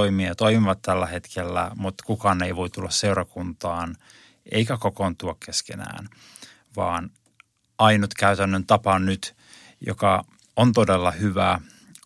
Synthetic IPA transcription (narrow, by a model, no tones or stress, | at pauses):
oimieɑt̪oimiʋɑt̪t̪ːælːæhe̞t̪kʰelːæ̰mut̪kukɑːneiʋoit̪ːulːɑsseurɑkunt̪ɑːn | ʔḛikækokont̪uɑkkeskḛnæ̰ːn | ʋɑːn | ɑinut̪kæyt̪ænːønt̪ɑpɑnyt̪ | jo̰kɑ | ont̪odelːɑhyʋæ